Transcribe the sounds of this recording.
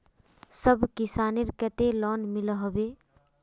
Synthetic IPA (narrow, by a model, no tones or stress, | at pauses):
səbʱkɪsaːniɾkət̪elɔːnmɪlɦɔbeː